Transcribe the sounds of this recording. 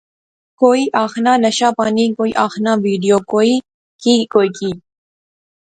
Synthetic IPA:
koːiʔɑːxnɑːlɐʃɑːpɑːnikoiʔɑːxnɑːʋiːɖijoːkoi | kikoːjki

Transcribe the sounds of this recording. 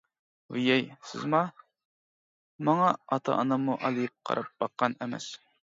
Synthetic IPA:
wijɛjsɪ̰zmɑ | mɑŋɑɑt̪ʰɑ̰ʔɑnɑmuʔɑlˠɨjɨp̚qʰɑ̰ɾʔɑp̚b̥ɑqːɑnɛmɛ̰s

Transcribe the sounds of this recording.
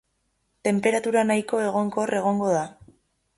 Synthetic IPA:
t̪e̞mpe̞ɾat̪uɾanajko̞e̞ɣo̞ŋko̞rʔe̞ɣ̞o̞ŋɡo̞ða

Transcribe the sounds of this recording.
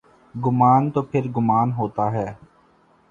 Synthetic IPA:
ɡʊmaːnt̪oːpʰɪɾɡʊmaːnɦoːt̪aːɦɛː

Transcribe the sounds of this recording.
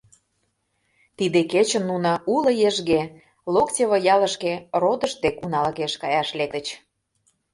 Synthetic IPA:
t̪id̪eket͡ɕə̆nːunɤulə̆jeʒɣe | loktʲeβəjɑlə̆ʃkerod̪ə̆ʃd̪ekunɑlkeʃkɑjɑʃlek̚t̪ə̆t͡ɕ

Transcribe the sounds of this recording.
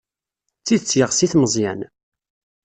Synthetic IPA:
t͡sːiðt͡sːjəʁsiθməzˤjæ̰n

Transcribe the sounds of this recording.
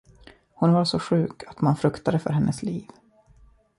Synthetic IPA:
hʊnvaɾʂɔɧʉ̟ːkʰat̪manfɾɵkt̪ad̪əfœ̰ɾɦɛnːʔəsliːv

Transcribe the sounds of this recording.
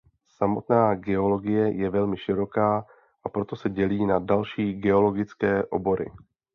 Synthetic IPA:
samo̞t̪naːɡɛo̞lo̞ɡɪjɛjɛvɛlmɪʃɪɾo̞kaː | ʔapɾo̞t̪o̞sɛɟɛliːnadalʃiːɡɛo̞lo̞ɡɪt͡skɛːʔo̞̰bo̞ɾɪ̰

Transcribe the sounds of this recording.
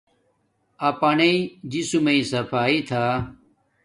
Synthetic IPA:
ɐpɐneid͡ʑisumeĩsɐpʰaːit̪ʰaː

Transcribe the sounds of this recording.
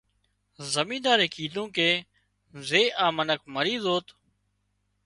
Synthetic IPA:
zəmĩːd̪aːɾeːkiːd̪õːkeː | zeːʔaːmənək̚məɾiːzoːt̪

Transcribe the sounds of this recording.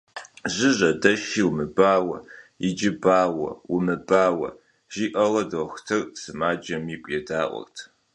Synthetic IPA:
ʑɪʑʼɐdɐʃiːwmɨbaːwɐɪd͡ʒɪbaːwɐ̰wumɨbaːwɐ̰ | ʒ̥iːʔɐlɐdoxtʰɨrsɨmaːd͡ʒɐmiːkʷʼjɛdaːʔʷɔ̰rtʰ

